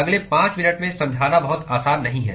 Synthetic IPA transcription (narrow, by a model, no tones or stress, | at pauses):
ɐɡlepãːt͡ʃmɪnəʈmẽsɐ̃md͡ʒʱaːnabɐɦʊt̪aːsaːnːɐɦĩɦɛ̰ː